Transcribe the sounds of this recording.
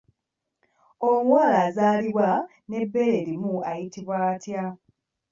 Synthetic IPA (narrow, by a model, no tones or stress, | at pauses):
oŋwaːlaːzaːliβwa | ne̞bːe̞le̞ɾimuajitiβwatja